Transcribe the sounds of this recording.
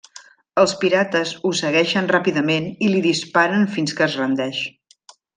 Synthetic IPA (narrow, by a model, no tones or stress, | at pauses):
əlˠspiɾat̪əzusəɣɛʃənrapiðəmeniliðispaɾənfinskəːzrənd̪ɛʃ